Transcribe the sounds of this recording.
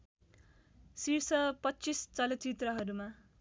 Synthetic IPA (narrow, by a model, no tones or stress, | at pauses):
sirsʌpʌtːt͡sist͡sʌlʌt͡sit̪rʌɦʌɾuma